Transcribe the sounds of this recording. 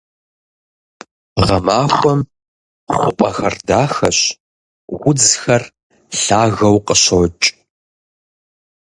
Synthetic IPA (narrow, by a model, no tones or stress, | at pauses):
ʁɐmaːxʷɔm | χʷʊpʼɐxɐrdaːxɐɕ | wʊd͡zxɐr | ɬaːɣɐwqəɕot͡ʃʼ